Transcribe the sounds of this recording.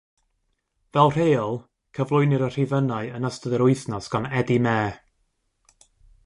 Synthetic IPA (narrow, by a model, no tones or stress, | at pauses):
vɛlˠr̥eːɔlˠ | kʰəvlˠʊɨnɪɾər̥ivənaɨənəstəðəɾʊɨθnɔsɡ̥anɛdimɛː